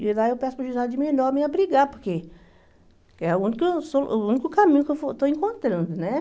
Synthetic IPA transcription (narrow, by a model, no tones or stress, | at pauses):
id̪aewpɛsʊ̥pɾɐʒuzad͡ʒɪmĩenɔɾmẽɐbɾiɡapoɾke | kɛũnikʊsounikʊkamĩɲʊkewfot̪oẽŋkõnt̪ɾɐ̃nd̪ʊnɛ